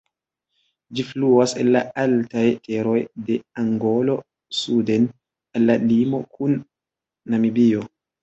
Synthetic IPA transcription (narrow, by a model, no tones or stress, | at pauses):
d͡ʒifluasenla̰altajteɾo̞jdeaŋɡolo̞ | suden | alːalimo̞kʰunː | amibio